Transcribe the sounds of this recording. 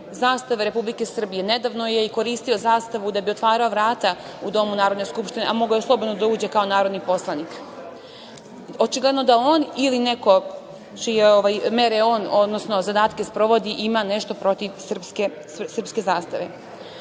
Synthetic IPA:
zaːst̪aʋeɾe̞publike̞sr̩bije̞ne̞d̪aːʋno̞je̞iko̞ɾiːst̪io̞zaːst̪aʋud̪abio̞t̪ʋaːɾaoʋɾaːt̪a | ud̪o̞munaːɾo̞d̪ne̞skupʃt̪ineʔamo̞ɡajeslˠo̞bo̞d̪nod̪auːd͡ʑe̞kao̞naːɾo̞d̪nipo̞slˠanik | ot͡ʃiɡled̪no̞d̪aoːniline̞ko̞ | t͡ʃijeoʋajme̞ɾeo̞ːnod̪nosno̞zad̪aːt̪ke̞spɾo̞ʋod̪iʔimane̞ʃt̪o̞pɾo̞t̪iʋsr̩pske | sr̩pske̞zaːst̪aʋe̞

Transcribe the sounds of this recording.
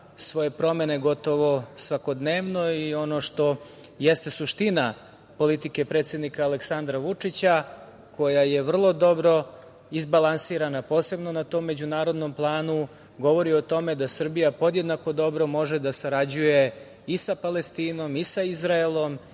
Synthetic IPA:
sʋo̞je̞pɾo̞me̞ne̞ɡo̞t̪o̞ʋo̞sʋako̞d̪neːʋno̞io̞no̞ʂt̪o̞ | jest̪e̞suʃt̪ina | po̞lit̪ike̞pɾe̞ːt̪sje̞d̪nikaːle̞ksand̪ɾaʋut͡ʂit͡ɕa | kʰo̞jajeʋr̩lˠo̞d̪o̞bɾo̞ | izbalˠansiːɾanapo̞ːse̞bno̞nat̪o̞mːe̞d͡ʑunaːɾo̞d̪no̞mplˠaːnu | ɡo̞ʋo̞ɾio̞t̪o̞me̞d̪asr̩bijapo̞d̪jed̪nako̞d̪o̞bɾo̞mo̞ʒed̪asaɾad͡ʑuje̞ | isapalest̪iːno̞misaizɾaelˠo̞m

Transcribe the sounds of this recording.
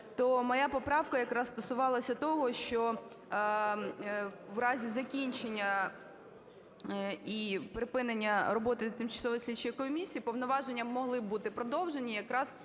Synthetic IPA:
t̪ɔmɔjapɔpɾɑwkɐjɐkɾɑzst̪ɔsʊʋɑlˠɐsʲɐt̪ɔɦɔʃt͡ʃɔ | ʋɾɑzʲizɐkʲinʲt͡ʃenʲːɐ | ipɾɪpɪnenʲːɐɾɔbɔt̪ɪt̪ɪmt͡ʃɐ̥sɔʋɔjsʲlʲit͡ʃɪjkɔmʲisʲijipɔwnɔʋɑʒenʲːɐbmɔɦlˠɪbbut̪ɪpɾɔd̪ɔwʒenʲijɐkɾɑz

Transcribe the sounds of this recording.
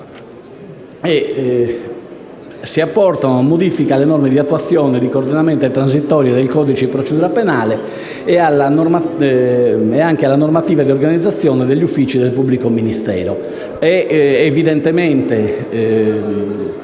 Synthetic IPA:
ɛ | siapːɔɾt̪anoamːod̪ifikalːɛnɔɾmed̪iat̪ːuwat̪sːjɔːnɛd̪ikoːɾd̪inamɛnt̪ɔt̪ɾans̬it̪ːɔːɾjɛd̪ɛlkɔːd̪it͡ʃipɾot͡ʃed̪uːɾapɛnaːlɛ | ɛalanɔɾma | ɛaŋkealːanoɾmat̪iːvad̪ioɾɡanid̪zat̪sːjɔːnɛd̪ɛʎːufːit͡ʃiðɛlpubːlikominist̪ɛ̰ːɾɔ | ɛːviðɛnt̪ɛmɛnt̪ɛ

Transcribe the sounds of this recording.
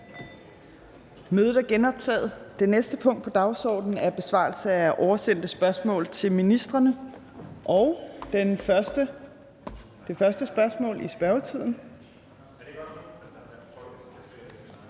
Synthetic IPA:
møːð̩ˠæɐɡ̥enɒ̽b̥̚t͡sʰɛ̰ːð̩ˠd̥e̝nesd̥əpʰɔ̽ŋ̰d̥pʰɒ̽d̥ɑ̈ʊsɒ̰ːd̥n̩æɐb̥e̝sʋɑ̰̈ːlsəæʔɒʊɐsen̰d̥əsb̥ɶɐsmɔ̰̽ːl̩ˠt͡sʰe̝lminisd̥ʁɐnə | ʔɒʊ | d̥e̝fɶɐsd̥əsb̥ɶɐsmɔ̰̽ːlʔisb̥ɶɐʊt͡sʰið̞̰ˠn̩

